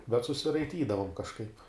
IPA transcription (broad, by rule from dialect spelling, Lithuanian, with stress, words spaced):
bʲɛt sʊsʲɪrɐɪˈtʲiːdɐʋoːm kɐʃˈkɐɪp